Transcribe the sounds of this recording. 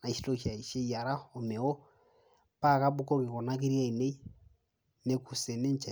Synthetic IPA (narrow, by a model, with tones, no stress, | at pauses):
na˨i˨ʃi˦to˦ʃa˨i˨ʃe˦i˨a˨ɾa˦o˨mɛ˨wɔ˦ | pa˦ka˦bu˦kɔ˦ki˨kɔ˨na˦ki˦ɾia˦i˨ne˦i˦ | ne˦ku˨sɛ˨ne˦ɲ˦t͡ʃa˨